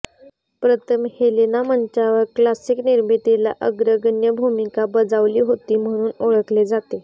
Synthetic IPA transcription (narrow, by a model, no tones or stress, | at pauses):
pɾət̪ʰəmhelenaməɲt͡ɕaʋəɾklasiːkniɾmit̪ela̰ʔəɡɾəɡənjəbʱumikabəd͡zaʋliːɦot̪iːm̤əɽ̃uːnoɭəkled͡zat̪e